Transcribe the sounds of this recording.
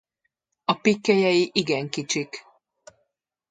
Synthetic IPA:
ɒpikːɛjɛjiʔiɡɛŋkit͡ʃik

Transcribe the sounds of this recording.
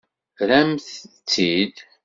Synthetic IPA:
ɾæmθt͡sːid̪

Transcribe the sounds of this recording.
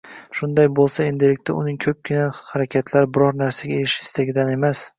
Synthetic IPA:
ʃʊnd̪ajbolˠsae̞nd̪ɪlɪkʲt̪ʰaʊnɪŋkʰɵp̚kʲʰɪnahaɾakʲʰat̪ʰlaɾbɪɾɒɾnaɾsaɡʲaeɾɪʃɪ̥st̪ʰaɡʲɪd̪ane̞mas

